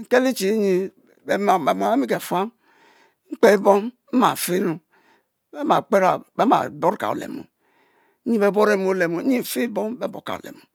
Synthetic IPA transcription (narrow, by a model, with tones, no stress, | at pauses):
ŋ̩˨ke˦li˦t͡ʃi˨˦ɲi˦ | bm˨a˨e˦mi˦ke˨fu˦a˦m | ŋ͡m̩˦k͡pe˦bo˦m̩˦ | ma̰˨fe˦nu˨ | be˦ma˨k͡pe˦ɾa̰˨be˦ma̰˨bo˦ɾka̰˨o̰˨lḛ˨mṵ˨˦ | ɲi˦be˦bo˦ɾe˦mo˨˦le˨mu˨˦ɲi˦˨fe˦bo˦mbe˦bo̰˨ka̰˨o̰˨lḛ˨mu˨